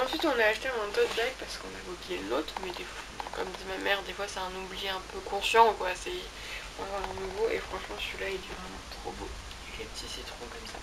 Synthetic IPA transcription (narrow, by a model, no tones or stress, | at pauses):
ɑ̃sɥit̪ɔ̃naːʃt̪ẽɛ̃d̪ot̪baɡ̚paʁsə̥kɔ̃navoblijenot̪χmɛd̪efw | kɔmd̪imamɛʁd̪efwasɛɛ̃nublijeɛ̃pʰøkɔ̃sjɑ̃kwasɛ | ɔ̃vaə̃nuvoʔefχɑ̃ʃmɑ̃silaild̪ivʁɛmɑ̃t̪χobo | ilepət̪ʰisit̪χɔ̃kɔmsa